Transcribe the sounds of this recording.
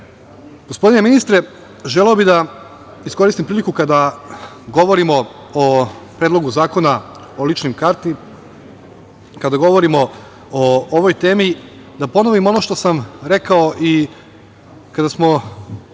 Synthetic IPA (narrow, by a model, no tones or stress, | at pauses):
ɡ̥ospo̞d̪ine̞minist̪ɾe | ʒeleobid̪a | isko̞ɾist̪impɾiːlikukad̪a | ɡo̞ʋo̞ɾimo̞ | opɾed̪lo̞ɡuzaːko̞na | olit͡ʃnimkaɾt̪i | kad̪aɡo̞ʋo̞ɾimo̞ | ooʋojt̪e̞ːmi | d̪apo̞noʋimo̞no̞ʃt̪o̞samɾe̞kao̞ʔi | kad̪asmo̞